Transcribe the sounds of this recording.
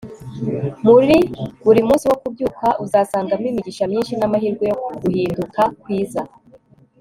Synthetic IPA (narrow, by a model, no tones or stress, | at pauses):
muɾiβuɾimuːnsiwokubɟuːkaʔuzaːsaːŋɡamwiːmiɟiʃamɲiːnʃinamaɦiɾɡweɡuhiːndukakwiːza